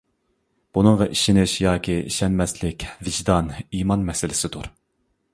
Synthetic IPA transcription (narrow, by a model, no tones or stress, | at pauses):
b̥unɨŋʁɑʔiʃinɪʃjɑːkʲiḭʃɛnmɛslɪkʲvɪʒd̪ɑnimɑnmɛsɪlɪsɪd̪uɾ